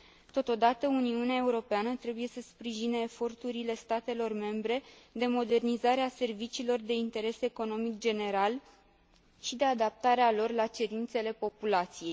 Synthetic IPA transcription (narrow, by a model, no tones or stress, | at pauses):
t̪o̞t̪o̞d̪at̪əuniuneae̞uɾo̞peanət̪ɾe̞buje̞səspɾiʒineːfo̞rt̪uɾile̞st̪at̪e̞lo̞rme̞mbɾe̞d̪e̞mo̞d̪e̞rnizaɾease̞rvit͡ʃilo̞rd̪e̞int̪e̞ɾe̞seko̞no̞mikd͡ʒe̞ne̞ɾal | ʃid̪e̞ad̪ap̚t̪aɾealo̞rlat͡ʃe̞ɾint̪se̞le̞po̞pulat̪sije̞j